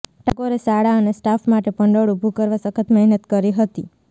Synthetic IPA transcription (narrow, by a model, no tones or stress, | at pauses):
ʈəkoɾesaɽaənesʈafmaʈepəɳɖəɽubʱukəɾʋasəkʰət̪mɛɦnət̪kəɾiɦət̪i